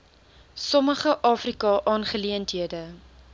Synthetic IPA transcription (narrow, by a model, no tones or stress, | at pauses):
sɔməχəʔɑːfrikɑʔɑːnχəliəntɦiədə